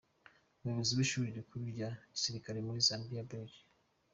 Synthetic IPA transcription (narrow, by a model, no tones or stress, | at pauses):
uβuβiziwiʃuːɾiɾikʰuɾiɾɟaɟisiɾikaɾe̞muɾizaːmbijaboɟi̥